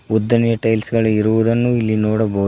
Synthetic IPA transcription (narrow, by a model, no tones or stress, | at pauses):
ud̪ːɐnjɐʈɐjlsɡɐɭuiɾuʋud̪ɐnːuilːinoːɽɐbɐu